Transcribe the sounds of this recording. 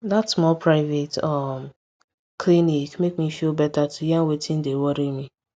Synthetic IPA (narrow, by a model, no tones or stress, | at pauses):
datsmɔlpɾaɪvetam | klinikmekmifjobɛtatʰujãnwetʰĩn̩dewɔɾimi